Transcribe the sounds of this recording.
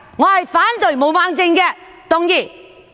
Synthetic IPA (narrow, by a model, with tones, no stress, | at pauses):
ŋɔː˨˧hɐ˨jfaː˨˥nt͡sɵ˨jmo˨˧wmaː˧ŋt͡sɪ˧ŋkɛː˧ | t̪ʊ˨ŋjiː˨˩